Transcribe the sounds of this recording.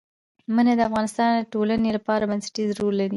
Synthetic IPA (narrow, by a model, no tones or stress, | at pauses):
manad̪əafɣɑnɪst̪ɑnd̪əʈolanelapɑɾabansḁʈizɾoɾːaɾi